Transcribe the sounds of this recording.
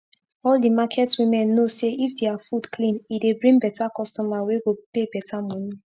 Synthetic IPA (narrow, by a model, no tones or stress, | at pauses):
ɔldimakʰɛtwĩmɛ̃nːoseifdeafudkʰlĩnidebɹĩŋbɛtakɔstɔmaweɡopebɛtʰamɔ̃ni